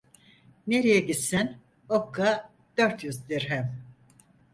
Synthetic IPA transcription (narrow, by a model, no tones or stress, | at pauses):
neɾijɛɟisin | okʰːa | d̪̥øɾt̪ʰjyzd̪iɾɦɛm